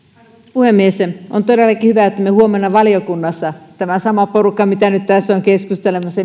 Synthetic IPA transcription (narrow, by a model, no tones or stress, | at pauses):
puhemːiesʔont̪odelːˑɑkihyʋæet̪ːæmehuomenːɑʋɑlijokunːɑsːɑt̪æmæsɑmɑporukːɑmit̪ænyt̪t̪æsːoŋkeskust̪elemːɑse